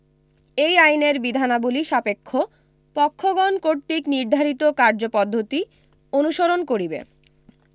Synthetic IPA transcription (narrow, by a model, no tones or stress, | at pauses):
ejajneɾbid̪ʱanabuliʃapekʰːo | pɔkʰːoɡɔnkoɾt̪ikniɾd̪ʱaɾit̪okaɾd͡ʑopɔd̪ʱːot̪i | onuʃoɾonkoɾibḛ